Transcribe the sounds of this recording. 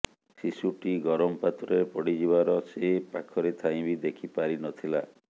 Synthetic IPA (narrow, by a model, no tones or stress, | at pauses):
sisuʈiɡɔɾɔmpat̪ɾɔepɔɽid͡ʒiβaɾɔsepakʰɔɾet̪ʰaj̃bid̪ekʰipaɾinɔt̪ʰila